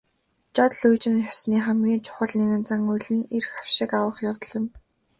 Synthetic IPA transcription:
t͡ɕɔt̪ɮujt͡ɕɪ̆nxɔsniːχæmɡʲiːnt͡ɕʰʊ̥χə̆ɮneɣɘ̆nt͡saŋujɮɘ̆nerxḁwʃɪ̆kawə̆χjawt̪̆ɮɪ̆n

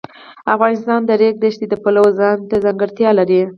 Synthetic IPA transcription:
afɣɑnɪst̪ɑnd̪əɾek̚d̪əʃt̪ed̪əpalawzɑnt̪azaŋɡəɾt̪jɑlaɾi

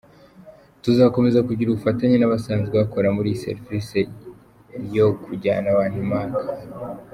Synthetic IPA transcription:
tuzako̞me̞zakuɟiɾuβufataɲenaβasaːnzɡeβako̞ɾamuɾisḛɾvise | jo̞kuɟa̰ːnaβaːndimaːŋɡḁ

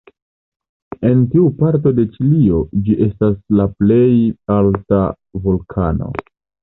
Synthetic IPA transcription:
e̞ntiupaɾt̬o̞de̞t͡ʃilio̞d͡ʒiʔe̞staslaple̞jalta | vulkʰano̞̰

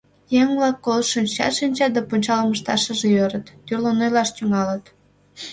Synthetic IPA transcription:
jeŋβlɑkːolʃinʲt͡ɕɑ̰t̪ʃinʲt͡ɕɑd̪ɑpunʲt͡ɕɑləməʃt̪ɑ̰ʃəʒeøɾət̪ːyrlonojlɑʃt̪yŋɑlət̪

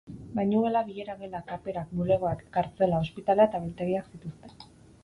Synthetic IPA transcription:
bajɲuɣelaβiʎe̞ɾaβe̞lakape̞ɾakmule̞ɣ̞oakkaɾt͡se̞lao̞spit̪alaet̪aβelt̪e̞ɣ̞iaksit̪ust̪e̞

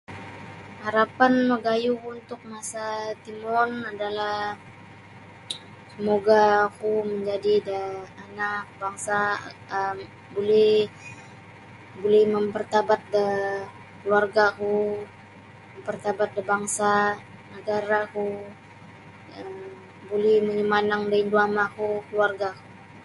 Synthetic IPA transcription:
haɾapanməɡajukunt̪ʊk̚masat̪imɔnadalah | səmoɡakuməɲd͡ʒadidəanak̚baŋsaəm | bolɛh | bolɛhməmpərt̪abat̪̚də | kluarɡaku | məmpərt̪abat̪̚dəbaŋsa | nəɡaɾaku | əm | bolɛhməɲəmanaŋdainduamakukəluarɡaku

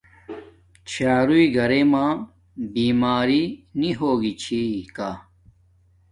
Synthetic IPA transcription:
t͡ɕʰaːɾuiɡʱɐɾemãː | biːmaːɾiniɦoːɡit͡ɕʰikaː

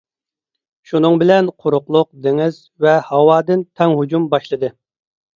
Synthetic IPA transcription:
ʃunɨŋbɪlɛnqʰoɾʊqlˠʊq̚d̪eŋɪz̥ | vɛhɑwɑːd̪ɨnt̪ʰɛŋɦud͡ʒumbɑʃlˠɨd̪ɨ

